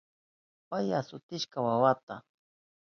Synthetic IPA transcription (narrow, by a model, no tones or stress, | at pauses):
pajasʊt̪ɪʃkawawat̪a